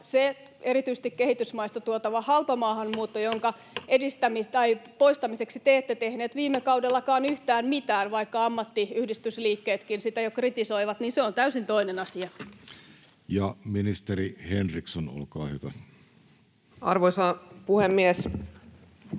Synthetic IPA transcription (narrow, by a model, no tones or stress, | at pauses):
se | erit̪yise̥st̪ikkehit̪ysmɑist̪ɑt̪uot̪ɑʋɑhɑlpɑmɑːhɑmmuːt̪ːojoŋkɑ | ʔedist̪æmit̪ɑipoist̪ɑmiseksit̪eːt̪ːet̪ehneːt̪ʋiːmːekɑudelːɑkɑːnyht̪æːmmit̪æːnʋɑikːɑɑmːɑt̪ːiyhdist̪ysliːkːeːt̪kinsit̪æjokrit̪isoiʋɑt̪niːnseont̪æysint̪oinenɑsiɑ | jɑminist̪erihenriksono̰lkɑ̰ːhy̰tæ | ɑ̰rʋoisɑpuhemːies